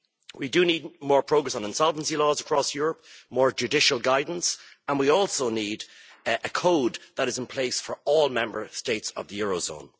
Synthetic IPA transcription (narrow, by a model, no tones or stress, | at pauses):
widəniːd̚mɔːɹpʰɹ̥oʊɡɹɛsn̩ə̃nsʌlˠvn̩silɔːzəkʰɹ̥ɔsjuːɹəpmɔːɹd͡ʒɨdɪʃəlˠɡaɪdⁿn̩s | ə̃nwiɔlˠsoʊniːdʔəkʰoʊd̪ðəɾɨzɪ̃npʰl̥eɪsfə˞ɔːlˠmɛ̃mbə˞steɪtsə̰vðəjɔːɹoʊzõ̰ʊ̃n